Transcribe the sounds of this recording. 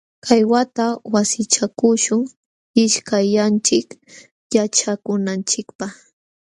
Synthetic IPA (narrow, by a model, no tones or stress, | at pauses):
kʰajwat̪awasɪt͡ʃakʊʃʊŋ | ɪʃkajant͡ʃɪk | jat͡ʃakʊnant͡ʃɪkpaχ